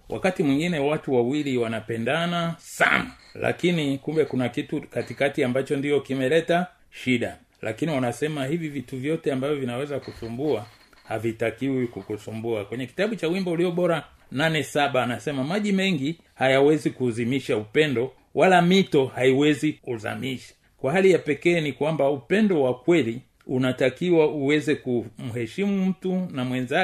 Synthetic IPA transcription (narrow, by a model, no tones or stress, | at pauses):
wʔa̰katimwiŋɡinɛwatuwawiliwanapɛndanasa̰na̰ | la̰kinikumbɛkunakitukatikatiambat͡ʃɔndijɔkimɛlɛta | ʃiɗa | lʔa̰kiniwanasɛmahivivituvjɔtɛambavjɔvinawɛzakusumbua | havitakiwikukusumbuakwɛɲɛki̥taɓut͡ʃawimbɔuliɔɓɔɾa | nanɛsaɓaːnasɛmamaʄimɛŋɡi | hajawɛzikuzimiʃaupɛndɔ | wʔalamitɔhaiwɛzikuza̰miʃḁ | kwaɦalijapɛkɛːnikwambaupɛndɔwakwɛli | unatakiwauwɛzɛkum̩ɦɛʃimum̩tunamwɛnza